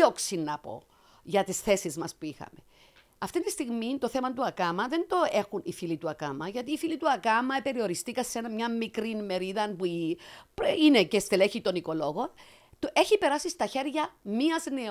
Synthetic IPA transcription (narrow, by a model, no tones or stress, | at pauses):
oksinːɐpo̞̰ | ʝɐt̪isθe̞sizmɐspuixɐ̰me̞ | ɐft̪int̪ist̪iɣmint̪o̞θemɐnt̪uɐkɐmɐðe̞nd̪o̞e̞xunifilit̪uɐkɐmɐʝɐt̪iːfilit̪uɐkɐmɐepe̞ɾio̞ɾist̪ikɐsenɐmɲɐmmːikɾinme̞ɾiðɐnpuipɾine̞cest̪ele̞çit̪o̞niko̞lo̞ɣo̞n | t̪ʔe̞çipe̞ɾɐsist̪ɐçe̞ɾʝɐmiɐzne